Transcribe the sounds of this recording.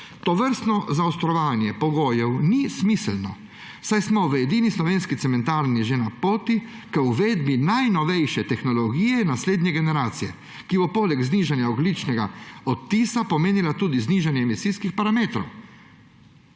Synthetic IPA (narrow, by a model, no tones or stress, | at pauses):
t̪ɔʋəɾst̪nɔzaɔst̪ɾɔʋaːnjɛpɔɡoːjɛwnismislnɔ | sajsmɔʋəɛd̪iːnislɔʋeːnskit̪sɛmɛnt̪aːɾnjɛʒenapoːt̪i | kəwʋeːd̪binajnɔʋɛjʃɛt̪ɛxnɔlɔɡiːjɛnasleːd̪nɲɛɡɛnɛɾaːt̪sijɛ̰ | kibɔpoːlɛɡzniːʒanjaɔɡlit͡ʃnɛɡaɔt̪ːiːsapɔmeːnilat̪uːd̪izniːʒanjɛːmisijskixpaɾameːt̪ɾɔ̰w